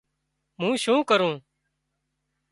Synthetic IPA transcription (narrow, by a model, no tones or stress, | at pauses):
mũːʃũːkəɾũː